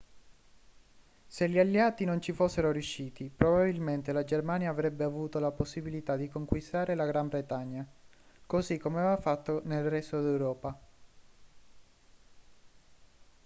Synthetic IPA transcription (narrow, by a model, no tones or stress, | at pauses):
seʎialːeaːt̪inont͡ʃifosːeɾorjuʃːiːt̪ipɾobabilment̪elad͡ʒermaːnjaːvɾɛbːeavuːt̪olaposːibilit̪ad̪ikoŋkwist̪aːɾelaɡɾambɾet̪aɲːakosikːomeaveevafat̪ːonelrɛst̪od̪ɛwɾɔːpa